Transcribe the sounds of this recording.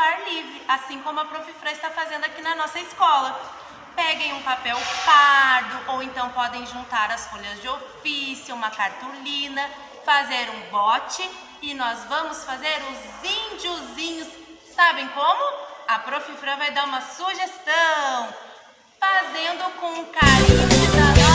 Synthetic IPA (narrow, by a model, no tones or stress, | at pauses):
aɾlivɾɪasĩkõmʊɐpɾofifɾɐɪst̪afazẽnd̪ʊakinɐnɔsɐɪskɔlɐ | pɛɡẽj̃ũpapɛwpaɾd̪ʊʔowẽnt̪ɐ̃w̃pɔd̪ẽj̃ʒũnt̪aɾɐsfoʎɐzd͡ʒɪofisjʊũmɐkaɾt̪ulĩnɐ | fazeɾũbɔt͡ʃɪ | ɪnɔzvɐ̃mʊsfazeɾʊz | ĩd͡ʒʊzĩɲʊsː | abẽj̃kõmʊɐpɾofifɾɐvajd̪aũmɐsuʒest̪ɐ̃w̃ | fazẽnd̪ʊkõʊ̃kaiɐid̪ɐ